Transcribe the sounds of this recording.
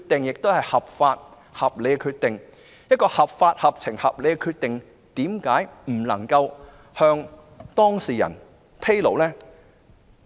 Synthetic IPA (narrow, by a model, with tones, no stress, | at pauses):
t̚t̪ɪ˨ŋjɪ˨k̚t̪o˥whɐ˨˩jhɐ˨p̚faː˧t̚ | hɐ˨p̚le˨˧jkɛ˧kʰyː˧t̚t̪ɪ˨ŋ | jɐ˥t̚kɔː˧hɐ˨p̚faː˧t̚hɐ˨p̚t͡sʰɪ˨˩ŋhɐ˨p̚le˨˧jkɛ˧kʰyː˧t̚t̪ɪ˨ŋ | t̪iː˨˥mkaː˨˥jm̩˨˩lɐ˨˩ŋkɐ˧w | hœː˧ŋ | t̪ɔː˥ŋsiː˨˩jɐ̰˨˩n | pʰe˥jlo̰˨˩wlɛː˥